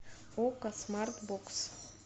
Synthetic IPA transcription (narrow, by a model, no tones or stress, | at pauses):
okasmart̪boks